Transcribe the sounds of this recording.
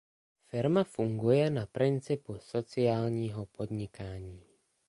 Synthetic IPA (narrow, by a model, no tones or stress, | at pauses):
fɪɾmafuŋɡujɛnapɾɪnt͡sɪpuso̞t͡sɪaːlɲiːɦopo̞dɲɪkaːɲiː